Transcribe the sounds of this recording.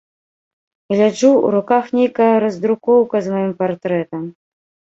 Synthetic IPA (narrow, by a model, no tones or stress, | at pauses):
ɣlʲad͡ʐuṵɾukaxnʲejkɐjɐɾɐzd̪ɾukɔwkɐzmajimpart̪ɾɛt̪ɐm